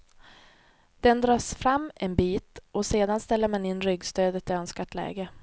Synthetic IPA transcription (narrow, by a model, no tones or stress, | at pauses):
d̪̥ɛnd̪ɾɑːʂfɾamːɛnbiːt̪ʔɔseːd̪anst̪ɛlːəɾmanɪnːɾʏɡst̪øːd̪ət̪ɪœnskaʈlɛ̰ːɡə